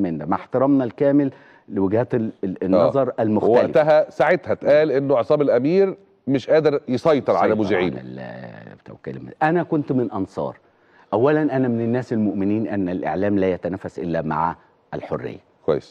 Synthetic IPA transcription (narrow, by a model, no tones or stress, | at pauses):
mɪnd̪æmaħt̪ɑɾˤɑmnɑlkæːmɪlː | ewɪɡhæːt̪nːɑzˤɑɾˤʔælmoxtælʔeft̪æɦæsaʕet̪hæt̪ʔæːlʔenːoʕesˤɑːmelʔæmiːɾ | mɪʃʔæːd̪eɾjesˤɑjt̪ˤɨɾʕalæmuzɪʕḭːn̰lt̪æ̰wkḭːl̰mæ̰ʔænækʊnt̪mɪnʔɑnsˤɑ̰ːɾˤ | ʔæwːælænʔænæmɪnɪnːæːselmoʔmɪniːnʔænːælʔḛʕlæːmlæːjæt̪ænæːfːæsʔɪ̰lːæma̰ʕ | ʔælħorːḛjːækʷwæ̰jːes